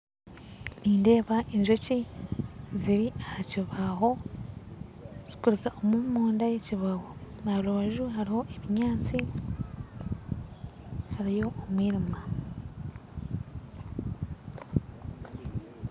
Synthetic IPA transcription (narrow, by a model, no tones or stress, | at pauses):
niːnde̞ːβaʔeɲʒoci | ziɾiahaciβaɦo̞ | zikuɾikaʔomumuːndajeciβawonaloːʒuɦaɾiho̞ʔeβiɲaːt͡si | haɾijo̞ʔːmwiːɾima